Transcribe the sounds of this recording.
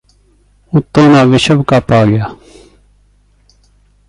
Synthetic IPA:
uːt̪ːõːnãːʋɪʃəbkaːpaːɡɪjaː

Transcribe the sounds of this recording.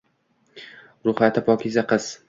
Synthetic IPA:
ɾʊχat̪ʰɪpʰɒkʲʰɪzaqʰɨz̥

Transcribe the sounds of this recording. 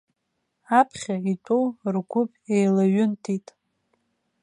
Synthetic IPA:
apʰχʲaitʷʼowrɡʷʊpʼejlaɥʊntʰitʼ

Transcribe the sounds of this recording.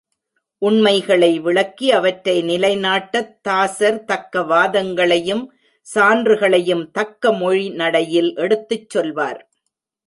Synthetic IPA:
ʔʊɳmɐɪɣɐɭɐɪʋɪɭɐkːiɐʋɐʈɾɐɪnɪlɐɪnaːʈːɐt̪ːaːsɐɾt̪ɐkːɐʋaːðɐŋɡɐɭɐjɯm | saːndrɯɣɐɭɐjɯmt̪ɐkːɐmɔɻinɐɽɐjɪlʔɛɽɯt̪ːɯt͡ʃːɔlʋa̰ːɾ

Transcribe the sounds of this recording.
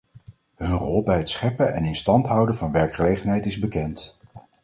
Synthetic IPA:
ɦɵnrɔlˠbɛjətsχɛpəɛ̰nɪnstɑntɦʌwdənvɑnʋɛɹkχəlejχənɦɛjtɪzbəkɛnt

